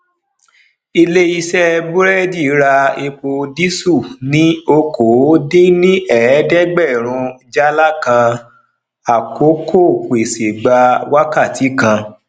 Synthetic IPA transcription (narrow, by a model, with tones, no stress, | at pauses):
i˧le˦i˧sɛ˦bu˦ɾɛ˦di˦˨˦ɾa˧e˧k͡po˧di˦su˦˨nĩ˦o˧kʰo˨˦de˦nĩ˦ɛ˦˨˦dɛ˦ɡ͡bɛ˦˨ɾ̃ũ˧d͡ʒa˦la˦kã˧ | a˨ko˨˦kʰo˦˨k͡pe˨se˨ɡ͡ba˧wa˦ka˦˨tʰi˨˦kã˧